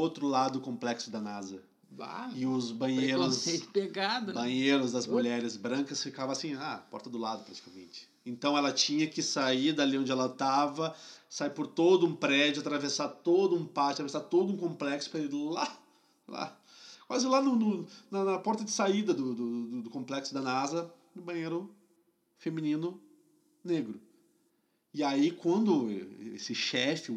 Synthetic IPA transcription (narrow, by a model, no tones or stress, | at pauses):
owt̪ɾʊlad̪ʊkõmplɛksʊd̪ɐnazɐ | va̰ɪʊzbɐ̃ɲeɾɾʊsepeɡad̪ɐbɐ̃ɲeɾʊzd̪ɐzmuʎɛɾɪzbɾɐ̃ŋkɐsfikavɐ̃asĩapɔ̰ɾt̪ɐd̪ʊlad̪ʊpɾat͡ʃi̥kamḛ̃nt͡ʃɪ̥ | ẽnt̪ɐ̃w̃ɛlɐt͡ʃĩɲɐkɪsaiɾd̪aliõnd͡ʒɪɛlɐt̪avɐsaiɾpʊɾt̪od̪ʊũpɾɛd͡ʒʊat̪ɾavesat̪od̪ʊũpat͡ʃɪɐt̪ɾɐvesaɾt̪od̪ʊũkõmplɛksʊ̥pɾaiɾla̰ | la̰ | kwazɪlanʊnʊnɐnɐpɔɾt̪ɐd͡ʒɪsaid̪ɐd̪ʊd̪ʊd̪ʊd̪ʊkõmplɛksʊd̪ɐnazɐ | nʊbɐ̃ɲeɾʊ | femĩnĩnʊ | neɡɾʊ | ɪaikwɐ̃nd̪ʊḛsɪʃɛfɪ